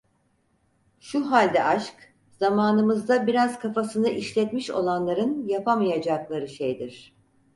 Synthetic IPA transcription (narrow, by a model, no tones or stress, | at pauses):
ʃuɦalʲd̪ɛʔaʃk | z̥amaːnɯmɯzd̪abiɾaz̥kʰafasɯnɯʔiʃlʲɛt̪miʃo̞̰lˠanlˠaɾɯnjapʰamajad͡ʒaklˠaɾɯʃejd̪iɾ̥